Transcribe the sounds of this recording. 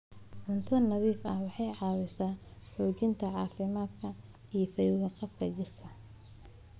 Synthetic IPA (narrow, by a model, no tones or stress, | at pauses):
ʕʊnt̪ʰɐɐnɐðiːfɐhwɑħɑjʕɑːwɪsaːħuːt͡ʃɪnt̪ʰɐʕɑːfɪmaːd̪kʰɐ | ijɞfɐjʊɣɐqɑbkʰɐt͡ʃɪrkʰɐ